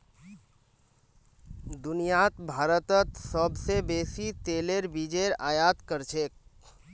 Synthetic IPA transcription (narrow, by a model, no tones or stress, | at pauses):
d̪ʊnijat̪bʱaːɾət̪ət̪səbsebeːsit̪eːleɾbid͡ʒeɾaːjaːt̪kəɾt͡ʃʰeːk̚